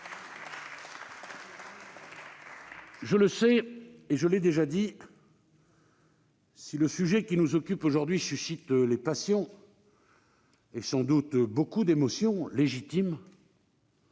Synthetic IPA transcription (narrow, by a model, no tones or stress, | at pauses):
ʒələsɛeʒəlɛd̪eʒad̪i | siləsyʒɛkʲinuzɔkʲypoʒuʁd̪ɥisysit̪lepasjɔ̃ | esɑ̃d̪ut̪bokud̪emɔsjɔ̃leʒit̪im